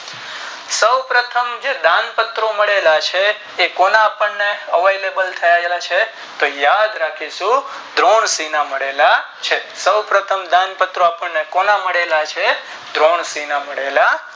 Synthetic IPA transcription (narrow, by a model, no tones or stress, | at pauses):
səwpɾət̪ʰəmd͡ʒed̪ãnpət̪ɾoməɭelat͡ʃʰeː | konaːpəɳːeəʋejlebəlt̪ʰəjaelat͡ʃʰe | t̪ojad̪ɾakʰiʃũ | d̪ʱɾoɳsinaməɽela | t͡ʃʰesəwpɾət̪ʰəmd̪ãnpət̪ɾoapəɳnekonaməɽelat͡ʃʰe | d̪ʱɾoɳsinaməɽela